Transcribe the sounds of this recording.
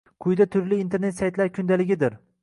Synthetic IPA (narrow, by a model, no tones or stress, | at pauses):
qʰʊjd̪at̪ʰʊɾlɪːnt̪ʰe̞ɾnet̪sajt̪ʰlaɾkʰʲʊnd̪alɪɡʲɪd̪ɪɾ